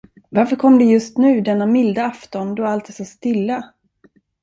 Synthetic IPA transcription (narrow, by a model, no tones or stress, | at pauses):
vaɾfœɾkʰɔmːd̪ɛjɵst̪nʉ̟ːd̪ɛnːamɪld̪aaft̪ɔnd̪ɔalt̪̚d̪ɛsːast̪ɪlːa